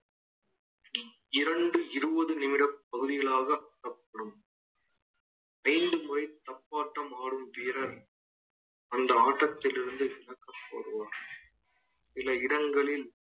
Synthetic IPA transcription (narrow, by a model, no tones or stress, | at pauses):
ɪɾɐɳɖɯɪɾɯʋɐðɯnɪmɪɽɐp̚ːɐɣɯðɪɣɐɭaːɣɐɐkːɐpːɐɽɯm | ɐɪnd̪ɯmʊrɐɪt̪ːɐpːaːʈːɐmaːɽɯmʋiːɾɐl | ɐnd̪ɐaːʈːɐt̪ːɪlɪɾɯnd̪ɯʋɪnɐkːɐpːo̰ːɽɯʋaːɾ | sɪlɐɪɽɐŋɡɐɭɪl